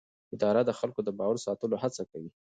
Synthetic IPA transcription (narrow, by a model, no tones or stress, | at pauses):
ɪd̪ɑɾad̪əxalkod̪əbɑwaɾsɑt̪əlohat͡sakawi